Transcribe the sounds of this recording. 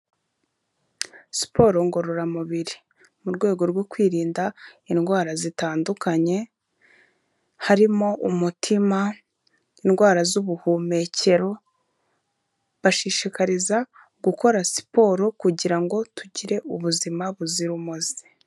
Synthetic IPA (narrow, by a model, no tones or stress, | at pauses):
si̥po̞ɾo̞ŋɡo̞ɾo̞ɾamuβiɾi | muɾɡwe̞ːɡo̞ɾɡwo̞kwiːɾiːndainɡwaːɾazitaːndukaɲe̞ | haɾimo̞ʔumutʰima | inɡwaːɾazuβuhume̞ce̞ɾo̞ | βaʃiʃikaɾiza | ɡuko̞ɾasi̥po̞ːɾokuɟiɾaŋɡo̞tʰuɟiɾe̞uβuzimaβuziɾumuzi̥